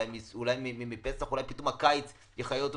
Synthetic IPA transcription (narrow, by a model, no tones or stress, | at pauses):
jmiulajmimimipesaχulajpit̪omakait͡s | jeχajoot̪